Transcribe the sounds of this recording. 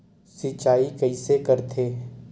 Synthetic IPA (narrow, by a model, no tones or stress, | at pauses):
sɪt͡ʃaːikɐisekɐɾt̪ʰeː